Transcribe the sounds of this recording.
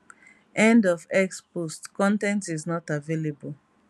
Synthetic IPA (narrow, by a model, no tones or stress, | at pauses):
ɛ̃ndɔvɛkspostkɔ̃ntɛ̃ntiznɔtavelebul